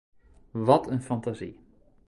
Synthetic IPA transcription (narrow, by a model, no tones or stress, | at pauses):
ʋɔtʰənfantazḭ